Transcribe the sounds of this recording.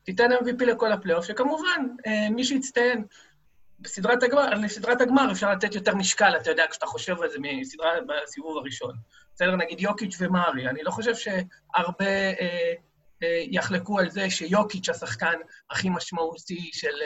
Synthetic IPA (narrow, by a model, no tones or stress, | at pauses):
titenlamvipileko̞laplejofʃekamuvanemiʃ̬eit͡st̪ajen | besidʁataɡaesidʁataɡmaʁefʃaʁlat̪etjo̞te̞ʁmiʃkalat̪ajo̞deakʃataχo̞ʃe̞valzemisidʁabasivuvaʁiʃo̞n | besede̞ʁnaɡidjo̞kit͡ʃvemaʁianilo̞χo̞ʃe̞vʃe̞aʁbe̞ | jaχlekualze̞ʃejo̞kit͡ʃhasaχkanaχimaʃmautiʃe̞l